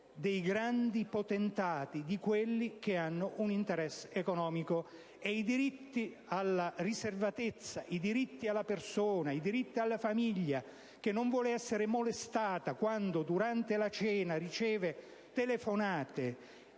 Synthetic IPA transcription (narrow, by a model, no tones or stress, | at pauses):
d̪ejɡɾand̪ipot̪ent̪aːt̪id̪ikwelːik̟eanːʊʔunint̪eɾɛsːekɔnɔːmiko | ɛid̪iɾit̪ːi | alːariservat̪et̪sːaʔid̪iɾit̪ːialːapersoːnaid̪iɾit̪ːialːafamiʎːa | k̟enːoɱvwɔːleɛsːeɾemolest̪aːt̪akwand̪od̪uɾant̪elat͡ʃɛːnarit͡ʃɛːve | t̪elefonaːt̪e